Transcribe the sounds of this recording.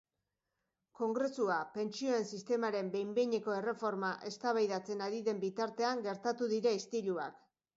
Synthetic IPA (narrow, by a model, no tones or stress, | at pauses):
ko̞ŋɡɾe̞suape̞nt͡ʃio̞e̞nsist̪e̞maɾe̞mbe̞jmbeɲe̞ko̞e̞re̞fo̞ɾmaʔe̞st̪aβajðat͡se̞naɾiðe̞mbit̪aɾt̪e̞aŋɡe̞ɾt̪at̪uðiɾaist̪iʎua̰k